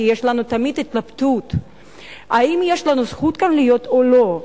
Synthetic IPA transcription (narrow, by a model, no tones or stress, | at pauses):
jeʃlanut̪amid̪it̪labt̪ut̪ | aimjeʃlanusχut̪kanlijo̞t̪olo̞